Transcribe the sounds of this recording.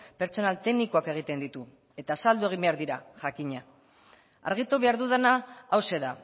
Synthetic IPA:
pe̞ɾt͡so̞nalt̪e̞ɣniko̞ake̞ɣ̞it̪e̞nd̪it̪u | e̞t̪asald̪ue̞ɣ̞imbe̞aɾd̪iɾaʝakiɲa | a̰ɾɣ̞it̪uβe̞aɾðuð̞enaːwse̞ða

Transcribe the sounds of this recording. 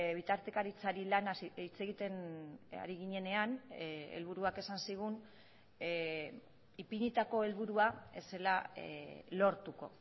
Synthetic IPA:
βit̪aɾt̪e̞kaɾit͡saɾilanait͡se̞ɣit̪e̞na̰ɾiɣiɲe̞ne̞anḛlβ̞uɾuake̞sansiɣ̞un | ipiɲit̪ako̞e̞lβuɾuae̞̰se̞la | lo̞ɾt̪uko̞̰

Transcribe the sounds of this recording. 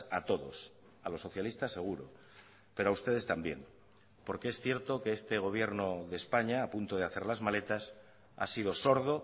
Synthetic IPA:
at̪o̞ðo̞s | alo̞so̞θjalist̪ase̞ɣ̞uɾo̞̰ | pe̞ɾoaust̪e̞ðe̞st̪ambje̞̰n | po̞ɾke̞esθje̞ɾt̪o̞ke̞est̪e̞ɣ̞o̞β̞je̞ɾno̞ðe̞spaɲaːpunt̪o̞ð̞eaθe̞ɾlazmale̞t̪as | a̰sið̞o̞so̞ɾð̞o̞

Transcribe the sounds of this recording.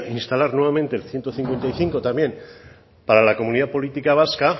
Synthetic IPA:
inst̪alaɾnwe̞βament̪eːlθje̞nt̪oθiŋkwe̞nt̪ajθiŋko̞t̪amje̞n | paɾalako̞mũniðapo̞lit̪ikaβ̞aska

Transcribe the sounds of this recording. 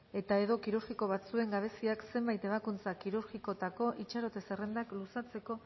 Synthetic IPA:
e̞t̪ae̞ðo̞kiɾuɾɣiko̞β̞at͡sue̞ŋɡaβ̞e̞siakse̞mbajt̪e̞β̞akunt͡sakiɾuɾɣiko̞t̪ako̞ʔit͡ʃaɾo̞t̪e̞se̞re̞nd̪aklusat͡se̞ko̞

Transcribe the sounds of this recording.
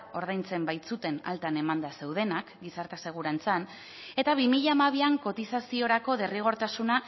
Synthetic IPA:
o̞ɾð̞ajnt͡se̞mbajt̪sut̪e̞na̰lt̪ane̞mand̪ase̞wðe̞nakɡisaɾt̪ase̞ɣ̞uɾant͡san | e̞t̪aβ̞imiʎaːmaβ̞iaŋko̞t̪isasio̞ɾako̞ðe̞riɣ̞o̞ɾt̪asuna

